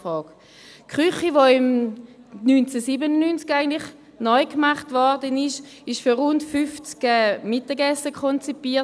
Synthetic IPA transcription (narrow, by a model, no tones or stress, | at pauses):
fʁɔːk | kχyχiʋoɪm | nynt͡sɛsibənənynt͡skaɪɡəntlɪχ | nɔʏkmaχtvɔʁdənɪʃ | ɪʃfyʁʊntfyft͡skɛːmɪtəɡɛsəkʰχɔnt͡sipiːɐ